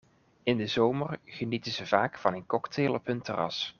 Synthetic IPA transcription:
ɪndəzowmərχənitənzəv̥aːkfɑnənkɔkteːlˠɔpɵntərɑ̰s

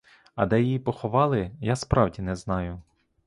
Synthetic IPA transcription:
ɐd̪ɛjijipɔxɔʋɑlˠɪjaspɾɑwdʲinɛznɑjʊ

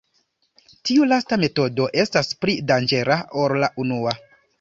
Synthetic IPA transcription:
tiulastame̞to̞do̞ʔe̞staspɾidand͡ʒe̞ɾaoɾlaʔunua

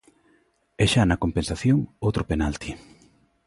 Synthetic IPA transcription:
ɛʃanɐkompensaθjoŋowt̪ɾopenalt̪i

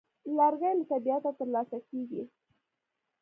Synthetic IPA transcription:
laɾɣajlt̪abijat̪at̪əɾlɑsakeɡi

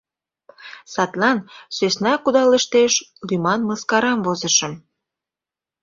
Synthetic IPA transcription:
sɑt̪lɑnsøsnɑkud̪ɑleʃt̪eʃlymɑnməskɑɾɑmvozəʃə̆m

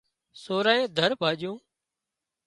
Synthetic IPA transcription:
soːɾaːẽːd̪ʱəɾbʱaːʄjõː

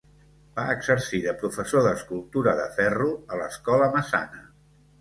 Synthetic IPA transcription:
baəɡz̥əɾsiðəpɾufəsoðəskulˠt̪uɾəðəfɛruələskɔləməsa̰nə

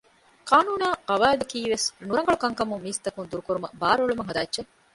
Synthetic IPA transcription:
kaːnuːnaːɐʋaːd̪ɐkiːʋesnuɾɐŋɡɐɭukɐŋkɐmuŋmiːst̪ɐkund̪uɾukuɾumɐbaːɾoɭumɐŋɦɐd̪aːtːʃe

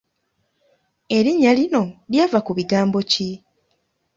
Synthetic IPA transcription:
e̞ɾiɲːalino̞ljaːvakuβiɡaːmbo̞ci

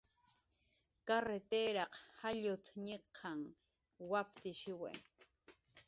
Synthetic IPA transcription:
kaɾet̪eːɾɑqhaʎʊt̪ɲeqʰːɑŋ | wapt̪ɪʃɪwa̰j

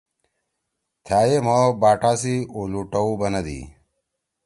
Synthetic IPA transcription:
t̪ʰaːjemobaːʈaːsiuluʈɐubɐnɐd̪ḭ

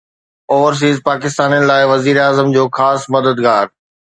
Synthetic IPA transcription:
ɔːʋəɾs̬iːzpaːkɪs̬t̪aːnijənɪ̆laːɪʋɐziːɾaːzəmd͡ʑoːxaːsmɐd̪əd̪ɡaːɾ

